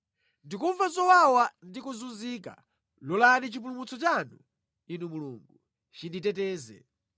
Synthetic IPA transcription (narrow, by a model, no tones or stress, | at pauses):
ndikuɱvazɔwawandikuzunziːka̰ | lɔlanit͡ʃip̬ulumut͡sɔt͡ʃanu | inumuluŋɡu | t͡ʃinditɛtɛːzɛ̰